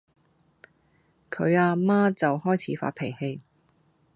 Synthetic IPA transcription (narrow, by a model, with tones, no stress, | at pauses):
kʰɵ˨˧ɥaː˧maː˥t͡sɐ˨whɔː˥jt͡sʰiː˨˥fa̰ː˧˥t̚pʰe˨˩jhe˧j